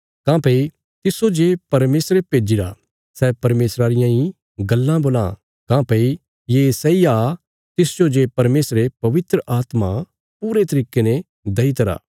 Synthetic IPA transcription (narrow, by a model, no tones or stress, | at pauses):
kãːpɐi | t̪ɪsod͡ʒepɐɾmeːsɾepeːd͡ʒiɾa̰ | sɛːpɐɾmeːsɾaːɾɪjãi | ɡɐlːãboːlã̰ | kãːpɐi | jesɛiaː | t̪ɪsd͡ʒod͡ʒepɐɾmeːsɾepɐʋɪt̪ɾəʔaːt̪ma | puːɾet̪ɐɾiːkenẽ | d̪ɐit̪ɐɾa̰ː